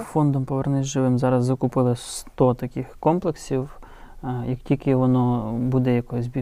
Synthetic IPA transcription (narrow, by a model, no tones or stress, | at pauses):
fɔnd̪ɔmpɔʋernɪzʲʒɪʋɪmzɑɾɐzːɪkʊpɪlˠɪst̪ɔt̪ɐkɪxkɔmplˠeksʲiw | jɐktʲilʲkɪʋɔnɔbud̪ɛjɐkɔjɪzʲbʲi